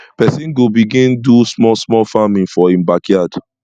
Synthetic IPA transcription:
pɛsĩnɡobiɡĩndusmɔlsmɔlfamĩnfɔĩmbakʰjad̥

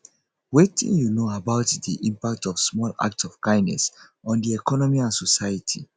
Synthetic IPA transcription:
wetʰḭ̃njunoabaʊtdiʔĩmpak̚tɔfsmɔla̰k̚tsɔv̥kãɪ̃nɛ̰sɔ̃ndiɛkʰɔnɔmiãnsɔsaɪjətʰi

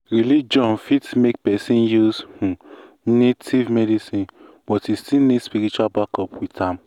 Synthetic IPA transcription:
ɾilid͡ʒɔ̃nfitmek̚pɛsĩnjushũ | netʰivmedisĩn | bɔtistinespiɾit͡ʃuabakɔpwitʰam̩

